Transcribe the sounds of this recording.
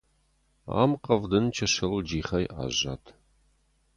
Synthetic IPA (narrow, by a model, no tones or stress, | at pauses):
a̰ːmqɐvdɨnt͡ʃʰɐʃɐld͡ʒiːχɐjʔa̰ːʑatʰ